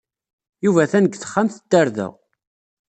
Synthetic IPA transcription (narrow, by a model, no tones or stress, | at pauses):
juvæθænəɡθə̥χːamθəd̪ːaɾðæ̰